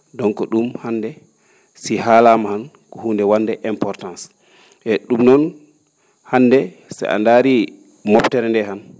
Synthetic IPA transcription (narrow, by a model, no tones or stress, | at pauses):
dɔŋkɔɗumhanːdɛ | sihalamahan | kɔhuːndɛwandɛʔɛmpɔɾtans | ʔɛɗumnɔn | hanːdɛ | sa̰ʔa̰ndaɾi | mɔptɛɾɛndɛɦan